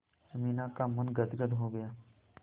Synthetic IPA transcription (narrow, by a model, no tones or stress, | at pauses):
əmiːnakamɐnɡət̪ɡəd̪ɦoɡɐjaː